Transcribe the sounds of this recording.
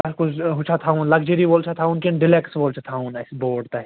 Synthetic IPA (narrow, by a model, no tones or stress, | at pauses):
ɐɾkʊd͡ʒɦʊt͡ʃʰat̪ʰaunlɐɡd͡ʒəɾiboːlt͡ʃʰat̪ʰaunkenɖɪleksboːlt͡ʃʰat̪ʰaunɐsboːɽt̪aɦɛ